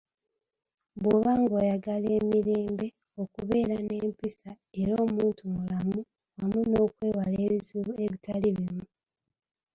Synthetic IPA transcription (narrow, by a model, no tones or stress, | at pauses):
βoβaːŋɡoːjaɡale̞ːmiɾeːmbe̞ | o̞kuβe̞ːɾane̞ːmpisa | e̞ɾo̞ːmuːntumulamu | wamuno̞ːkwe̞ːwalezieβitaliβimu